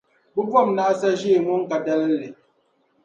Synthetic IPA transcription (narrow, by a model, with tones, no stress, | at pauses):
bu˦b͡vɔ˦˨mna˦ʔsa˦ʒe˦˨mu˦ŋ̩˦ka˨dɛ˦lle˨